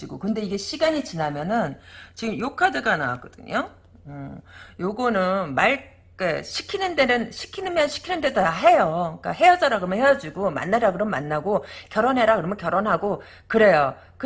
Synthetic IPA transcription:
iɡokɯnde̞iɡe̞ɕʰiɡaɲit͡ɕinamjʌnɯnt͡ɕiɡɯmjokʰadɯɡana̰wa̰k͈ʌd̥ɯ̰ɲo | ɯjoɡʌnɯnmaɭ | k͈eɕʰi̥kʰinɯnde̞nɯnɕʰi̥kʰinɯnmjʌnɕʰi̥kʰinɯndedoaɦe̞jok͈a̰ɦe̞jʌd͡ʑaɾaɡɯʌmʌnɦhejʌd͡ʑiɡoma̰nːaɾakɯɾʌmma̰nːaɡokjʌɾʌnɦeɾakɯɾʌmʌkjʌɾoʌnɦaɡo | kɯɾe̞jo | kɯ

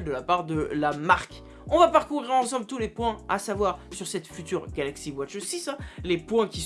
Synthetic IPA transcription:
ld̪əlapaʁd̪əlamaʁk | ɔ̃vapaʁkuʁiʁɑ̃sɑ̃blt̪ulepwɛ̃a̰savwaʁsyʁsɛt̪fyt̪yʁɡalaksiwat͡ʃsisɛ̃lepwɛ̃kʲis

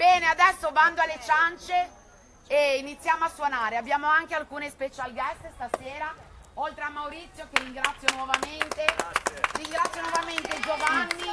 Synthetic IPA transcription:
bɛːnead̪ɛsːovand̪oalːet͡ʃant͡ʃe | einit̪sːjaːmoasːwonaːɾeabːjaːmoaŋkealkuːnespet͡ʃalɡɛst̪st̪aseːɾaolt̪ɾeamːawɾit̪sːjokeriŋɡɾat̪sːjonwɔvament̪eriŋɡɾat̪sːjonwɔvament̪ed͡ʒovanːi

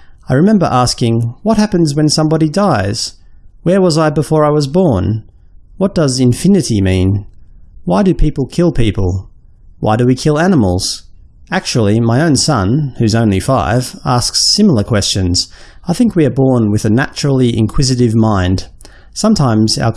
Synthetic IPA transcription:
aɪɹɨmɛ̃mbə̰˞ʔæskɪ̃ŋwʌt̚hæpɨ̃nzwɨ̃nsʌ̃mbɑɾidaɪz̥wə˞wʌzaɪbəfɔɹaɪwʌzbɔɹn | wʌt̚d̥ʌzɨ̃ɱfɪ̃nɨɾimĩn | waɪdɨpʰipl̩ˠkʰɪlˠpʰipl̩ˠ | wa̰ɪɾɨwikʰɪlˠænəml̩ˠz̥ | æk̚t͡ʃul̩ˠimaɪõʊ̃nsʌ̃nhʉzõʊ̃nlifaɪvæsksɪ̃ml̩ˠə˞kʰw̥ɛst͡ʃɨ̃nz̥ | aɪθɪ̃ŋkwiə˞bɔɹnwɨðɨnæt͡ʃɹl̩ˠiʔɪ̰̃nkʰw̥ɪzɨɾɨvmãɪ̃nd̥ | sʌ̃mtʰãɪ̃mz̥a̰ʊ

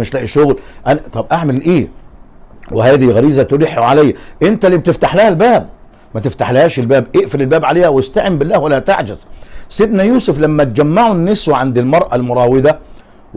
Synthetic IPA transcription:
mɪʃlæːʔiʃʊɣlʔænt̪ˤɑbʔaʕmɪllʔeː | wɪhæːðiɣæɾiːzæt̪ʊɾiħːʕalæjːæʔɪnt̪æliːb̚t̪ɪft̪aħlæhælbæːb̚ | mæt̪ɪft̪aħlhæːʃɪlbæːbʔɪʔfɪɾɪlbæːbʕaleːhæwɪst̪aʕɪmbɪlːæːhwælːæt̪aʕd͡ʒɪzsɪd̪næjuːsʊflæmːæt̪̚d͡ʒæmːaʕʊnːɪswʕand̪ɪlmɑɾˤʔalmʊɾˤɑːwɪd̪æ

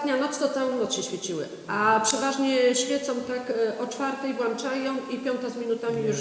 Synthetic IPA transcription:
t̪ɲanɔt̪st̪ɔt̪sawɔ̃w̃nɔt̪sɕɛɕfʲjɛt͡ɕiwɘ̰ | apʂɛvaʐɲɛɕfʲjɛt̪sɔ̃w̃t̪akʔɔt͡ʂfaɾt̪ɛjbwant͡ʂajɔ̃w̃ipʲjɔ̃nt̪azmʲinut̪amʲiju

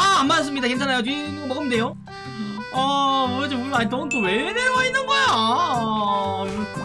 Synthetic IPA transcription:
aːmːas̬͈ɯmɲidakent͡ɕʰanajotiɡʌmʌɡʌmde̞jo | ʌɾʌd͡ʑouiant͈oɯnt͈oweneɾʌɡʌinːɯnɡʌeo

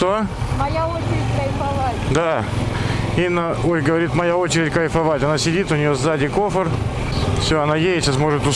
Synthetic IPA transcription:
t̪omɐjaot͡ɕɪɾʲɪtʲkɐjfɐvatʲd̪a | inːəojɡəvɐɾʲit̪mɐjao̞t͡ɕɪɾʲɪtʲkəjfɐvatʲɐnasʲɪdʲit̪ʊnʲɪjozd̪adʲɪko̞fər | fsʲɵɐnajejɪtʲɕasmo̞ʐɨt̪ʊ

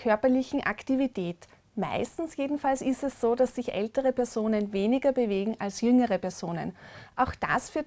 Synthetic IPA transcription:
kʰœɐpɐlɪçn̩ʔa̰ktivitʰɛːt | ma̰ɪstn̩sjeːdn̩falsɪstɛssoːdasːɪçʔɛ̰ltəʁəpɛɐzoːnənveːnɪɡɐbəveːɡŋ̩alsjʏŋəʁəpɛɐz̥oːnə̰nʔaʊxd̥a̰sfyːɐt

